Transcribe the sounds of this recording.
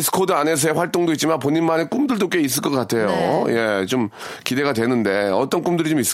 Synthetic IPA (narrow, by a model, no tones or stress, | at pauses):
sʰɯ̥kʰodɯane̞s̬ʰʌeɸwaɭt͈oŋdoit̚t͡ɕimanpoɲinmanek͈umdɯɭdok͈eis̬͈ɯɭk͈ʌk͈atʰe̞joje̞t͡ɕom | kide̞ɡadwe̞nɯnde̞ʌt͈ʌnk͈umdɯɾit͡ɕomis͈